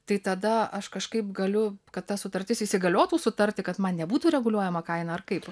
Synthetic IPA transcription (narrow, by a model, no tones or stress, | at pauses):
t̪ɐɪt̪ɐd̪ɐɐʃkɐʃkɐɪpɡɐlʲʊkɐt̪t̪ːɐsʊt̪ɐɾʲt̪ʲɪsisʲɪɡɐlʲoːt̪uːsʊt̪ɐɾʲt̪ʲɪkɐt̪mɐnnʲɛbuːt̪uːɾʲɛɡʊlʲuɔjɛmɐkɐɪnɐɐrkɐɪp